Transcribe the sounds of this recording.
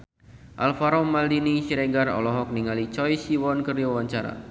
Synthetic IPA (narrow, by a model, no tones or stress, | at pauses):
ʔalfaɾɔmaldiniʃiɾeɡarɔ̰lɔɦɔk̚niŋalit͡ʃɔjsiwɔnkərwawaɲt͡ʃaɾa̰